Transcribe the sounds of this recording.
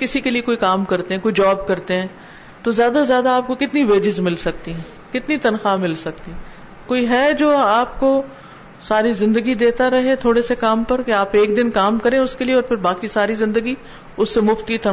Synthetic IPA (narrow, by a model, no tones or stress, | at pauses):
kɪsikeliekoːikaːmkɐɾt̪ẽɦɛ̃ːkoːid͡ʒaːbkɐɾt̪eɦɛ̃ː | t̪ozjaːd̪azjaːd̪aaːp̚kokɪt̪niʋeːd͡ʒɪzmɪlsɐk̚t̪iɦɛ̃ː | kɪt̪nit̪ɐnxamɪlsɐk̚t̪i | koːiɦɛːd͡ʒoːaːp̚ko | saːɾizɪ̃nd̪əɡid̪eːt̪aɾɐɦet̪ʰoːɽesekaːmpɐɾkeaːpeːkd̪ɪnkaːmkɐɾẽʊskelieɔːɾpʰɪɾbaːkisaːɾizɪ̃nd̪əɡi | ʊsːemʊft̪kit̪ɐ